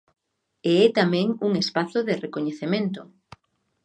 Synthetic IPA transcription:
eɛt̪amɛ̃ŋuŋespaθoðerekoɲeθemẽnt̪o

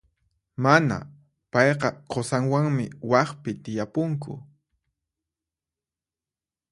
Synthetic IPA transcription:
mana̰ | pɑjqɑqʰosaŋwaŋmɪwɑχpɪt̪ɪjapʊŋkʊ̰

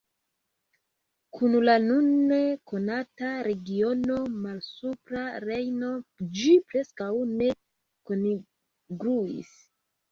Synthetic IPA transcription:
kʰunlanune̞ko̞nataɾe̞ɡio̞no̞malsupɾaɾe̞jno̞d͡ʒipɾe̞skawne̞ | koni | ɡɾuḭs

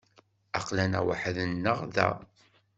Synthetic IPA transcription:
ɑqlænæwəħðənːəʁðæ̰

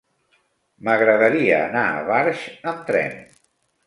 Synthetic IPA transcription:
məɣɾəðəɾiəːnaə̰βaɾʒəmt̪ɾɛ̰n

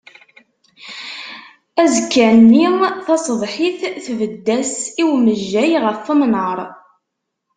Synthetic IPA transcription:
æzəkːænːimθɑsˤðˤħiθθvəd̪ːæsiwməʒːæjʁəfːəmnəɾˤ

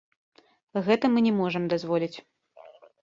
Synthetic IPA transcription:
ɣɛt̪ɐmɨnʲɛmɔʐɐmd̪azvɔlʲit͡sʲ

